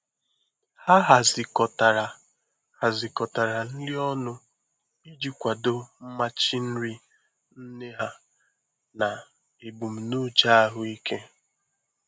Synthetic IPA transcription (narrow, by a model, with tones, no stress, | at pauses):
ha˦ɦa˨zɪ˨kɔ˨ta˨ɾa˨ | ha˨zɪ˨kɔ˨ta˨ɾa˨n̩˦li˦ɔ˦nʊ˦ | i˦d͡ʒi˦kʷa˨do˦m̩˦ma˦t͡ʃi˦n̩˦ɾi˦ | n̩˦ne˦ɦa˦ | na˨ | e˨bu˨m̩˨nu˦d͡ʒa˦a˦ɦʊ˨i˦ke˦